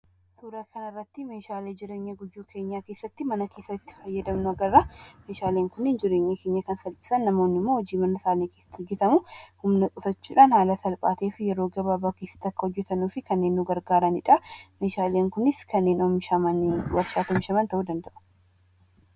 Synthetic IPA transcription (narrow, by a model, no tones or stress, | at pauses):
suːɾɐkɐnɪrːɐt̪ːɪme̞ːʃaːleːd͡ʒɪɾe̞ːɲːɐɡʊjːuːkʰe̞ːɲːaːkeːsːɐt̪ːɪmɐnɐke̞ːsːɐt̪ːɪ̥fɐjːɐd̪ɐmnʊɐɡɐrːɐme̞ːʃaːleːŋkʊnːɪnd͡ʒɪɾe̞ːɲːɐke̞ːɲːɐkɐnsɐlpʼɪ̥sɐnːɐmo̞ːnːɪmːoːhɔd͡ʒiːmɐnɐsaːniːke̞ːsːɐ̥t̪ːhɔd͡ʒːɛt̪ɐmʊhʊmnɐkʼʊtɐt͡ʃːiᶑaːnhaːlɐsɐlpʼaːt̪eːfɪjɛɾo̞ːɡɐbaːbaːkeːsːɐ̥t̪ːɐkːɐhɔd͡ʒːɛt̪ɐnuːfɪkɐnːe̞ːnːuɡɐɾɡaːɾɐnɪᶑɐmeːʃaːleːŋkʊnɪskɐnːe̞ːnɔmɪʃɐmɐnwɐɾʃaːt̪ɔmɪʃɐmɐnt̪ɐʔuːd̪ɐnd̪ɐʔʊ̥